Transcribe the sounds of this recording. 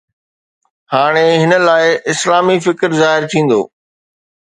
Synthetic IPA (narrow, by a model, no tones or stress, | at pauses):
haːɽ̃eɦɪnə̆laːɪʔɪslaːmifɪkɾzaːɦɪɾt̪ʰĩːn̆d̪o̰ː